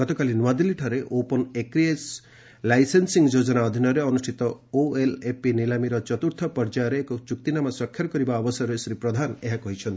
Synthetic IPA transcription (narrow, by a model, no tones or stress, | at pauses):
ɡɔt̪ɔkalinwad̪iliʈʰaɾeʔopɔnekɾies | lajsensiŋɡd͡ʒod͡ʒɔnaɔd̪ʱinɔɾeɔnusʈʰit̪ɔoelepinilamiɾɔt͡ʃɔt̪uɾt̪ʰɔpɔɾd͡ʒajɔɾeːkɔt͡ʃuk̚t̪inamaswakʰːjaɾɔkɔɾibaɔbɔsɔɾesɾipɾɔd̪ʱaneɦakɔɦit͡ʃʰɔnt̪i